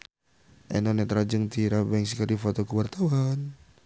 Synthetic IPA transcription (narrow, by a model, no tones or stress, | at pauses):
ʔɛnɔnɛt̪ɾad͡ʒəŋt̪iɾabɛŋsikadifot̪ɔkəwart̪awan